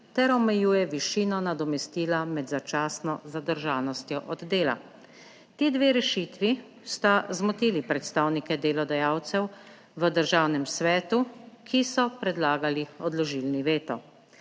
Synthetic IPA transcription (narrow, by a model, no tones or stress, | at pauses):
t̪ɛɾɔmɛjuːjɛʋiʃiːnɔnad̪ɔmɛst̪iːlamɛd̪zat͡ʃaːsnɔzad̪əɾʒaːlnɔst̪jɔʔɔd̪d̪eːla̰ | t̪iːd̪ʋeːɾɛʃit̪ʋi | st̪azmɔt̪iːlipɾɛt̪st̪aːwnikɛd̪eːlɔd̪ɛjaːwt̪sɛw | ʋəd̪əɾʒaːwnɛmsʋɛːt̪ukʰisɔpɾɛd̪laːɡaliɔd̪lɔʒiːlniʋeːt̪ɔ̰